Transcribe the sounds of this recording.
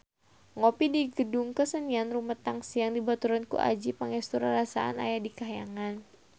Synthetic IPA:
ŋopidiɡədʊŋkəsənianrumət̪aŋsijaŋdibat̪uɾankṵʔa̰d͡ʒipəŋɛst̪uɾanrasa̰ʔa̰na̰jadikaɦjaŋan

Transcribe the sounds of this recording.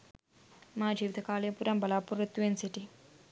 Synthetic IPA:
maːd͡ʒiːʋit̪ʰɐkaːljɐpuːɾɐmbɐlaːpuɾɐt̪ːuʋensiʈi

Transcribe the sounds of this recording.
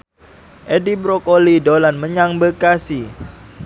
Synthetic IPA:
ʔedibɾokolidolanməɲaŋbəkasi

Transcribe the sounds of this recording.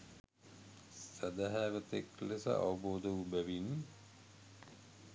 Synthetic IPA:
sæd̪aɦæːʋət̪eklesə̰ʔa̰ʋɐboːd̪əʋubæʋin

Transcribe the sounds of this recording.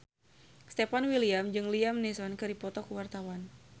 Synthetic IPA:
st̪epanwiliamd͡ʒɨŋliamnɛsɔnkɨɾdipɔt̪ɔkuwart̪awan

